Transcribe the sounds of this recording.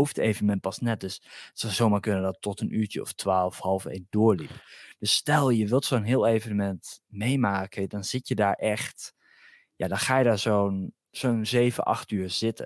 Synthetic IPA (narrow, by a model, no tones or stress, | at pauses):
owfteːvənəmɛntpɑsnɛt̚døssɔwzoːmaːɹkønədɔtʰːɔtənʔyːɹtəɔ̰ftʰʋaːlˠfhɑlˠfḛːndʊːɹlipd̥øsːtɛlˠjəʋɪlˠtsonɦɪːəlˠejvənəmɛntmejmaːkədɔnz̥ɪtjədaːɹʔɛxt | ja̰dɔnxaːjədaːɹzown | z̥oːnzeːvə̰nʔɑ̰xtyːɹz̥ɪtə̰